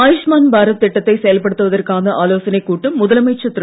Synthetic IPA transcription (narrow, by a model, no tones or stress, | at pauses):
aːjɪʂmaːnbaːɾɐːɪʈːɐt̪ːɐɪsɛjɐlpɐɽɯt̪ːɯʋɐðɐrkaːnɐʔaːloːsɐnɐɪkːuːʈːɯmːʊðɐlɐmɐɪt͡ʃːɐt̪ːɾ